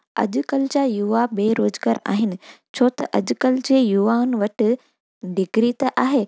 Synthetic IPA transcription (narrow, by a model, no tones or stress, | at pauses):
ɐ̰ʄkəld͡ʑaːjuʋabeːɾoːzɡaːɾa̰ːɦɪnɪ̆t͡ɕʰoːt̪ɐʔɐʄʊkɐld͡ʑeːjuʋaːʊnɪʋɐʈɪ̆ | ɖɪɡɾit̪ɐʔaːɦeː